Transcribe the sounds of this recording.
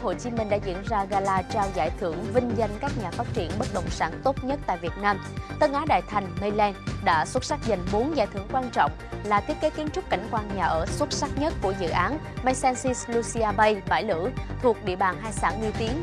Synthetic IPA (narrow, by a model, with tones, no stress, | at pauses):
ho̰˧˨jt͡ɕi˨˦mï˨˩ŋ̟ɗa̰ː˧˥zḭ˧˥ənzaː˧ɣaː˧laː˧t͡ɕaː˧wza̰ː˧˩jt̪ʰɨ˧˩əŋvï˧ŋ̟zə˧nkaː˦˥k̚ɲaː˨˩faː˦˥t̚t͡ɕi˧˩ənɓə˦˥t̚ɗə̰˧˨wŋ͡msaː˧˩nt̪o˦˥t̚ɲə˦˥t̚t̪a̰ː˧˨jvi˨˩ət̚naː˧m | t̪ə˧ŋʔaː˨˦ɗa̰ː˧˨jt̪ʰa˨˩jŋ̟mə˧jlɛ˧nɗa̰ː˧˥swə˦˥t̚sa˦˥k̚zə˨˩jŋmu˨˦ənza̰ː˧˩jt̪ɨ̰˧˩əŋkwaː˧nt͡ɕɔ̰˧˨wŋ͡mlaː˨˩t̪i˦˥ət̚ke˨˦ki˨˦ənt͡ɕʊ˦˥k͡p̚ka̰˧˩jŋ̟kwaː˧˩nɲaː˨˩ʔəː˧˩swə˦˥t̚sa˦˥k̚ɲə˦˥t̚ku˧˩əzɨ̰˧˨ʔaː˨˦n | ma˧sɛ˧nsi˧slu˧si˧ʔaː˧ɓə˧jɓa̰ː˧˩jlɨ̰˧˥t̪ʰu˨˩ək̚ɗḭ˧˨əɓaː˨˩nɦaː˧jsaː˧˩nmi˧ət̪i˨˦ən